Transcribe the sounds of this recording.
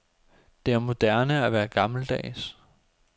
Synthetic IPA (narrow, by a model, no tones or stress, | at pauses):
d̥e̝æɐmo̝d̥æɐnəæʋæːɐɡ̥ɑ̈ml̩d̥ɛ̰ːs